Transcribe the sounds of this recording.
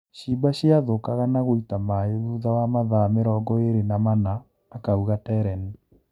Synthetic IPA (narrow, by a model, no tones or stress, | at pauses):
ʃibaʃiaðokaɣanaɣoitamaeðuðawamaðameɾɔɡɔeɾenamanaː | kauɣatɛɾɛn